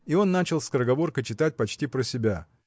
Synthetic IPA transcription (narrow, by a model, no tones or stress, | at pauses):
io̞nːat͡ɕɪlˠskəɾəɡɐvo̞rkəjt͡ɕɪt̪at̚ʲpɐt͡ɕtʲipɾəsʲɪbʲa